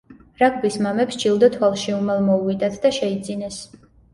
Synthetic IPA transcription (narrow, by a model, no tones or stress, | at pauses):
ɾak̚ʰbismamɛpst͡ʃʰilˠd̪at̪ʰwalˠʃiumɛlˠmɔuvid̪at̪ʰd̪aʃɛid̪zinɛs